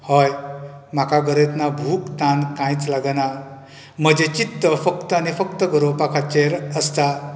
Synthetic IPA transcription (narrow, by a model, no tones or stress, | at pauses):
hʌjmakaɡʌɾet̪nabʱukt̪ankãjt͡slaɡana | mʌd͡zet͡ʃit̪ːʌpʰʌkt̪ʌnipʰʌkt̪ʌɡʌɾopakʰat͡ʃeɾəst̪a